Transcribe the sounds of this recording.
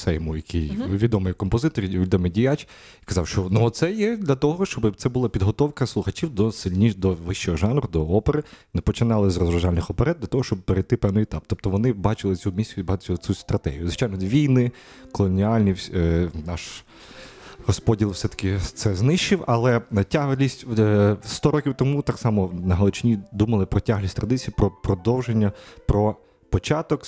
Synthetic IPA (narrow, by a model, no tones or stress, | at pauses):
sɛjɔmujɐkʰijʋʲid̪ɔmɪjkɔmpɔzɪt̪ɔɾʲʋʲid̪ɔmɪjdʲijat͡ʃʲ | kɐzɑwʃt͡ʃɔnuɔt̪sɛjɛd̪lʲɐt̪ɔɦɔʃt͡ʃɔbɪt̪sɛbʊlˠɑpʲid̪ɦɔt̪ɔwkɐslˠʊxɐt͡ʃʲiwd̪ɔsɪlʲnʲid̪ɔʋɪʃt͡ʃɔɦɔʒɑnɾʊd̪ɔɔpeɾɪnepɔt͡ʃɪnɑlˠɪzrɔzɾɐʒalʲnɪxɔpeɾɛd̪d̪lʲɐt̪ɔɦɔʃt͡ʃɔb̚peɾejt̪ɪpɛwnɪjɪt̪ɑp̚t̪ɔp̚t̪ɔʋɔnɪbɑt͡ʃɪlˠɪt͡sʲumʲisʲʊibɑt͡ʃʲɪlˠɪt͡s̪ʲust̪ɾɐt̪ɛ̰ɦijʊzʋɪt͡ʃajnɔd̪ʋʲijnɪ | kɔlˠɔnʲiɑlʲnʲinɑʃ | hɔspɔdʲilˠfsɛt̪ɐ̥kɪt̪sɛznɪʃt͡ʃːɪwɐlˠɛtʲaɦlʲisʲtʲst̪ɔɾɔkʲiwt̪ɔmut̪ɑksɑmɔnɐɦɐlˠɔt͡ʃɪnʲid̪umɐlˠɪpɾɔtʲaɦlʲisʲt̪ɾɐd̪ɪt͡sʲijipɾɔpɾɔd̪ɔwʒenʲːɐpɾɔ | pɔt͡ʃɑt̪ɔk